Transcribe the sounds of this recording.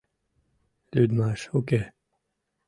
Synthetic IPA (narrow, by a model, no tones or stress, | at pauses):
lyd̪maːʃokeː